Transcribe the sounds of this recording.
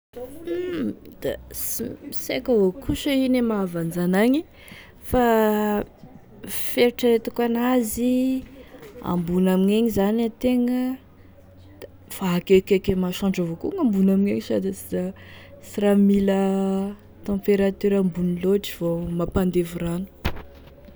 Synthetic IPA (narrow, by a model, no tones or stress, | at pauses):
d̪̥a̰siisekaɦokʰuʃəinemavand͡zanaɲi | fa | feɾiʈ͡ʂaet̪ukanazi | a̰mbunamiɲeɲizanat̪eŋə | d̪̥a | faɦakekekemaʃãɳɖ͡ʐavokuŋambunamiɲeɲisad̪sizasiramilə | t̪ɑ̃mpeɾat̪yɾambuniloʈ͡ʂiv̥omapand̪evuranu̥